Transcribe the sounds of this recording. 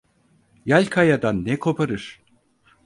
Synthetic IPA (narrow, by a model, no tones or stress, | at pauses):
jalʲkʰajad̪anːɛkʰo̞pʰaɾɯɾ̥